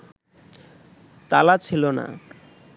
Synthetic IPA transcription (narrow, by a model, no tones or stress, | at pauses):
t̪alat͡ɕʰilona̰